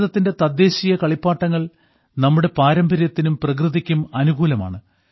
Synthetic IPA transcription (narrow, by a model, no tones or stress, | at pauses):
ðɐt̪ːinde̞t̪ɐd̪ːe̞ːɕijɐkɐɭipːaːʈːɐŋːɐɭ | nɐmːuɽe̞paːɾɐmbʱɐɾjɐt̪ːinumprɐkrɨðikʲːumɐnuɡuːlɐma̰ːɳɨ